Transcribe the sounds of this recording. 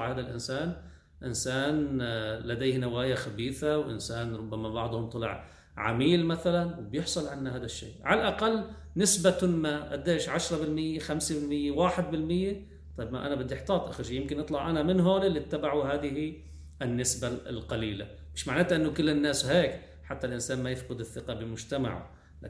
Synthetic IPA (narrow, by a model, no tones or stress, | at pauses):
ʕhaːd̪alʔɪnsaːn | ʔɪnsaːnlad̪eːhnawaːjaxabiːθawʔɪ̰nsaːnɾˤʊbːamabɑʕd̪ˤhʊmt̪ˤɑlɪ̰ʕ | ʕa̰miːlmaθalanwbjɪħsˤɑlʕanːahaːd̪aʃːḭːʕalʔaqalː | nɪsbat̪ʊnːaʔa̰d̪ːeːʃʕaʃɾˤɑbɪlmɪjːexamsebɪlmɪjːewaːħɪd̪̚bɪlmɪjːe | t̪ˤɑːbma̰ʔanabɪd̪ːɪħt̪ˤɑːt̪ˤʔaxaʃijɪmkɪnʔɨt̪ˤlɑʕʔanamɪnɦoːlɪlːit̪ːabaʕuɦaːd̪ɪhi | ʔɪnːɪsballqɑliːla̰ | mɪʃmaʕnaːt̪ʔɪnːʊkɪlːɪnːaːsheːk | ħat̪ːalʔɪnsaːnmajɪfqʊd̪ɪθːɪqɑbɪmʊd͡ʒt̪ama̰ʕ̰ | la̰